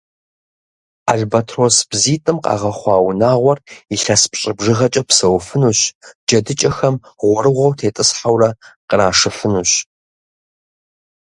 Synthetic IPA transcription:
aɮbatʰroːsb̥ziːtʼɨmqɑ̰ːʁɐχʷɑːwnaːʁʷɔriɬɐspɕʼɪbʐɨʁɐt͡ʃʼɐpsɐwfɨnuɕd͡ʒɐdɨt͡ʃʼɐxɐmʁʷɔɾɨʁʷɐwtʰeːtʼɨsħawrɐqəɾaːʂɨfɨnuɕ

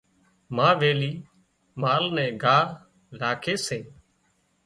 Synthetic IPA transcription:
mãːʋeːliː | maːlnɛ̃ːɡʱaːɾ | ɾaːkʰeːseː

